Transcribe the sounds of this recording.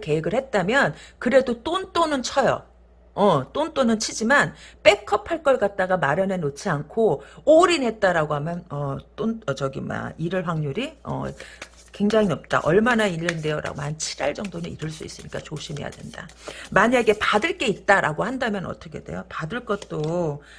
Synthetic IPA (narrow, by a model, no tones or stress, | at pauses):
ke̞eɡɯɭhe̞t̚t͈amjʌnkɯɾe̞dot͈ont͈onɯnt͡ɕʰʌjʌ̰ | ʌt͈ont͈onɯnt͡ɕʰid͡ʑimanp͈e̞kʰʌpʰaɭk͈ʌɭkat̚t͈aɡamaɾjʌnenːot͡ɕʰiankʰooɾinɦe̞t̚t͈aɾaɡoɦamjʌnʌt͈ont͡ɕʌɡima̰iɾɯɭɸwaŋɲuɾiʌ̰ | kwe̞ŋd͡ʑaŋiʌp̚t͈a̰ʔʌɭmanailːɯnde̞jʌɾa̰ɡomant͡ɕʰiɾaɭd͡ʑʌŋdonɯnḭɾɯɭs͈uḭs͈ɯɲik͈at͡ɕoɕʰimɦe̞̰ja̰dwe̞̰nda̰maɲaɡe̞padɯɭk͈e̞it̚t͈aɾʔa̰ɡohandamjʌnʌ̰t͈ʌkʰe̞̰de̞̰jopadɯɭk͈ʌt̚t͈o